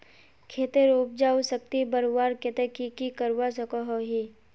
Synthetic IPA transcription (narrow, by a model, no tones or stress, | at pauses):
kʰeːt̪eɾuːp̚d͡ʒaːusək̚t̪ibəɾwaːɾket̪ekikikəɾwasəkoɦoɦi